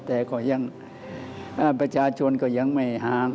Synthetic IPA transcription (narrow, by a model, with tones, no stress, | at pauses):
t̪ɛː˧˩kɔ˧˩ja˧˩ŋ | ʔaː˧˩pɾa˧˩t͡ɕʰaː˧t͡ɕʰo˧nkɔː˧˩ja˧˩˨ŋma˧˩jhaː˨˧˦